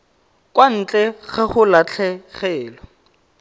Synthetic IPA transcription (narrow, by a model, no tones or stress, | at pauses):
kwan̩t͡ɬʼɛɣaχʊlat͡ɬʰɛχɛːlɔ